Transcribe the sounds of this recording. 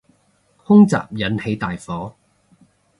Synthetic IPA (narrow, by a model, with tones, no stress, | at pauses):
hʊ˥ŋt͡sa̰ː˨p̚jɐ˨˧nhe˨˧jt̪aː˨jfɔː˨˥